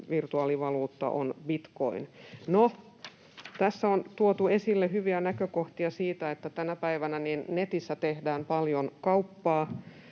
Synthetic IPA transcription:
ʋirt̪uɑːliʋɑluːt̪ːɑ̰ʔonbit̪ko̰inno | t̪æsːæont̪uot̪uesilːehyʋiænækøkoht̪iɑsiːt̪æet̪ːæt̪ænæpæiʋænæniːnnet̪isːæt̪ehdæːmpɑljonkɑupːɑː

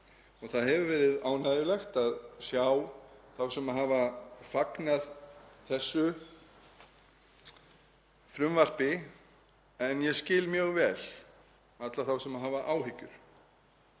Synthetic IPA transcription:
ɔɣθaðɦɛvʏvɛːɾɪðaːwnaːðjʏlɛxt̪aðsjaːwθawsɛmaðɦaːvafaknaðθɛsːʏ | fɾʏmvar̥pɪ | ɛnjɛscɪːlmjœɣvɛːl | at̪laθawsɛmaðɦaːvaʔaːwɦɪcːʏɾ̥

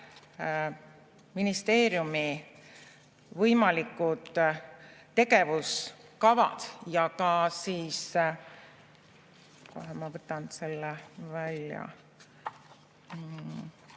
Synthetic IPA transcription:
minist̪e̞ːɾjumi | vɤjmɑlikːˑud̪̥ | t̪ːe̞ɡe̞vuskɑvɑ̰d̪̥jɑkɑsiːs | ko̰ɦɑmɑvɤt̪ːˑɑnse̞lːevælʲjɑ̰

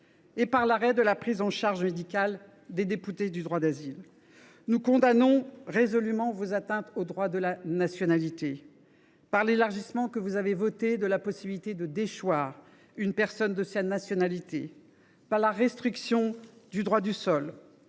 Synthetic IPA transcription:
epaʁlaʁɛd̪əlapχizɑ̃ʃaʁʒmed̪ikʲal | d̪ed̪epyt̪ed̪yd̪ʁwad̪azil | nukɔ̃d̪anɔ̃ʁezɔlymɑ̃vozat̪ɛ̃t̪od̪ʁwad̪əlanasjɔnalit̪e | paʁlelaʁʒismɑ̃kəvuzavevɔt̪ed̪əlapɔsibilit̪ed̪əd̪eʃwaːʁ | ynpɛʁsɔnd̪əsanasjɔnalit̪e | paʁlaʁɛst̪χiksjɔ̃d̪yd̪ʁwad̪ysɔl

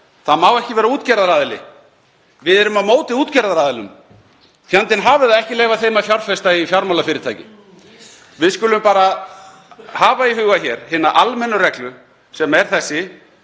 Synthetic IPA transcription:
θaðmawɛhcɪvɛːɾauːt̪cɛɾðaɾaːðɪlɪ̰ | vɪðɛɾʏmaðmoːwt̪ɪuːt̪cɛɾðaɾaːðɪlʏ̰m | fjant̪ɪnɦaːvɪðaðɛhcɪleːjvaθeːjmaðfjawɾfɛst̪aifjaɾmawlafɪːɾɪɾt̪ʰaːjcɪ | vɪðskʏːlʏmpaːɾa | haːvaihʏːɣaçɛɾ̥hɪnaʔalmɛnːʏrɛklʏ | sɛmɛɾ̥θɛsːɪ

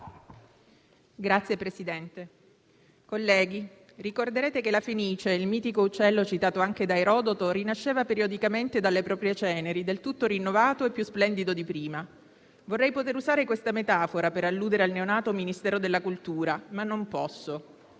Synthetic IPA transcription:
ɡɾat̪sːjepɾesid̪ɛnt̪e | kolːɛːɡi | rikord̪eɾeːt̪ekelafiniːt͡ʃeilmiːt̪ikout͡ʃːɛlːot͡ʃit̪aːt̪oaŋked̪aeɾɔːd̪ot̪oɾinaʃːeːvapeɾiod̪ikament̪ed̪alːepɾɔːpɾjet͡ʃɛːneɾid̪elt̪ut̪ːoɾinːovaːt̪oepːjusplɛnd̪id̪od̪ipɾiːma | vorːɛjpot̪eɾuzaːɾekwest̪amet̪aːfoɾapeɾalːuːd̪eɾealneonaːt̪ominist̪ɛːɾod̪elːakult̪uːɾamanːompɔsːo

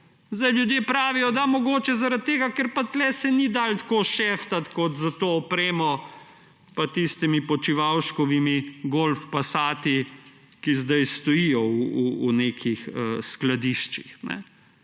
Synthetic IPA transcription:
zd̪ajljud̪jeːpɾaːʋijɔd̪amɔɡoːt͡ʃɛzaɾad̪̚t̪ːeːɡakɛɾpat̪lɛsɛnid̪aːlt̪koːʃeːft̪at̪kɔt̪zat̪oːpɾeːmɔ | pat̪ist̪imipɔt͡ʃiʋawʃkɔʋimiɡolfpasaːt̪i | kizd̪ajst̪ɔjijɔuuuneːkʰixəsklad̪iʃt͡ʃixnɛ̰

